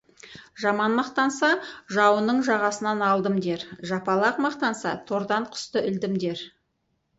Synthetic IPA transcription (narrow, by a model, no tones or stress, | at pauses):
ʒɑmɑnmɑqt̪ɑnsɑʒɑwənəɴʒɑʁɑsənɑnɑlˠd̪əmd̪e̞ɾʒɑpɑlˠɑqmɑqt̪ɑnsɑ̰t̪ʰoɾd̪ɑɴqʰʊ̥st̪əʔʏld̪ɪmd̪e̞ɾ